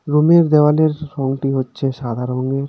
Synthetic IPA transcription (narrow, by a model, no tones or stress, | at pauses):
ɾumeɾd̪ewaleɾʃɔŋʈiɦotːɕʰeʃad̪ʱaɾoŋeɾ